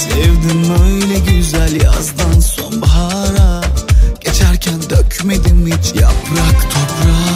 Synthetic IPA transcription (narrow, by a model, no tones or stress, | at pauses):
sɛvd̪inøjjlʲɛɟyzælʲa̰zd̪ansonbaɦaɾaɟ̥et͡ʃʰæɾcʰænd̪ɛacʲʰymed̪immit͡ʃʰja̰pɾakt̪ʰopɾa